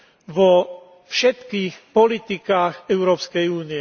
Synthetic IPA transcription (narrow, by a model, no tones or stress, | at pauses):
ʋɔ | fʃɛt̪kiːxpɔlit̪ikaːɣɛʊɾɔːpskɛjuːniɛ